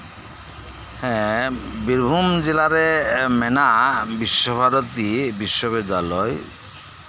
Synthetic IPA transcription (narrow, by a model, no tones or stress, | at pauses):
hɛ̃biɾbʱumd͡ʑelaɾemɛnabiʃːobʱaɾot̪ibiʃːobed̪ːalɔj